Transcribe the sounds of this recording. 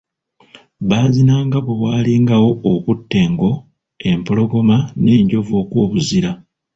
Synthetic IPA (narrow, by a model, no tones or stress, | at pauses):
βaːzinaːŋɡaβwe̞waːliŋɡawo̞ːkutːe̞ːŋɡo̞ | e̞mpolo̞ɡo̞mane̞ːɲɟo̞vo̞ːkwoːβuziɾa